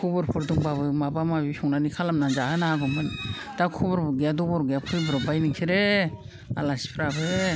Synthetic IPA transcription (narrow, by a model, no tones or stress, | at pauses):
kʰubɔɾpʰɯɾduŋbabɯmabamabisɔŋnanikʰalamnad͡ʒahɯnaaɡɔmɯn | d̥akʰubɔɾbɔɡeadɔbɔɾɡeapʰɯlbɾɔbajniŋkʰiɾe | a̰lasi̥pʰɾabɯ